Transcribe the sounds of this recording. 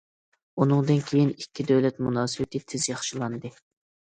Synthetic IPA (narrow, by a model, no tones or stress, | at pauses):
unɨŋd̪ɨnkʲʰejinikʲʰːid̪øwlɛt̪munɑːsɨwɪt̪ʰɪt̪ʰɪzjɑχʃilˠɑnd̪ɨ